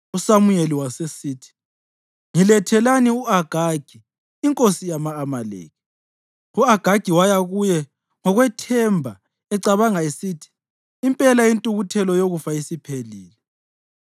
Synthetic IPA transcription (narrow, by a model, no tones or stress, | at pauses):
usamujeliwasesiːtʰi̥ | ŋilɛtʰɛlaniuaɡ̥ʱaɡ̥ʱi | iŋkʼosijamaːmalḛːɣi | uaɡ̥ʱaɡ̥ʱiwajaɣujɛ | ŋɔɣwɛtʰɛmbʱa | ɛǀaβaŋaisitʰi̥ː | mpʼɛlajintʼuɣutʰɛlɔjoɣufaisipʰeliːlɛ